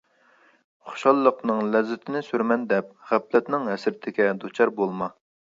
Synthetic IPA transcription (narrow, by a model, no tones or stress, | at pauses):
χo̥ʃɑlˠːəqnɨŋlɛzːɪt̪ʰɪnɪsyɾmɛnd̪ɛp̚ʁæplɛt̪nɪŋɦɛsɪɾt̪ʰɪkʲɛd̪ut͡ʃʰɑɾbolˠmɑ